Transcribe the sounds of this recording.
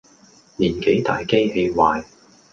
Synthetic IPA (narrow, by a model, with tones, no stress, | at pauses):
liː˨˩nke˨˥jt̪a̰ː˨jke˥jhe˧jwaː˨j